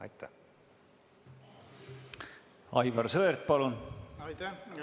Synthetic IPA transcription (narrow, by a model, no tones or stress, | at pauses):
ɑ̰jt̪ʰːæ̰ | ɑjvɑrsɤeɾt̪̚pɑlun